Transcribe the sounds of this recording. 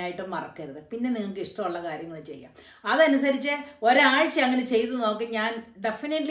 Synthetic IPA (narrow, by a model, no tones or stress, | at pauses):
aːjiʈːummɐrɐkːɐɾɐðɨpinːe̞niŋːɐɭkːɨiʂʈɐmuɭːɐkaːɾjɐŋːɐɭet͡ɕe̞̰jːa̰ːm | ɐðɐnusɐɾit͡ɕːɨo̞ɾeaːɻt͡ɕːɐɐŋːɐne̞t͡ɕe̞jt̪ːɨno̞ːkːɨɲaːnɖe̞finiʈːl